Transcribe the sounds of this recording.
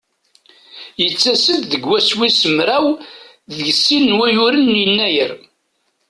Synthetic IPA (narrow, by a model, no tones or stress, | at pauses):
jət͡sːæsəd̪ðəɡwæswisəmɾæw | ðəʝəsːinːwæjʊɾənːjnːæjəɾ